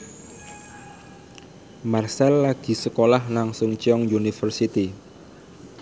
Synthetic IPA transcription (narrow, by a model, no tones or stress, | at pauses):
marsɛlːaɡ̥i̤səkolahlaŋsʊŋt͡ʃiɔŋjunifərsit̪i